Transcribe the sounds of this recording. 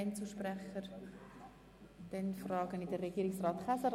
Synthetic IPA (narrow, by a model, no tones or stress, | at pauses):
ɪnt͡suʃprɛχəɾ | d̥ɛnfrɑːɡənɪdərːɛɡ̥iːɾɪksrɑːt̪χasəɾ